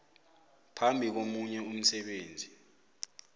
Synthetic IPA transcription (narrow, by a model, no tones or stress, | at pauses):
pʰambʱik̬omuɲɛum̩sɛɓeːnd͡zʱi